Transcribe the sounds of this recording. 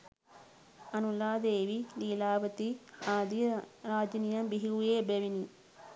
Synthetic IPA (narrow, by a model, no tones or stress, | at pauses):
ɐnulaːd̪eːʋiliːlaːʋɐt̪iaːd̪iɾaːd͡ʒinijɐmbiɦiɡujeːbeʋini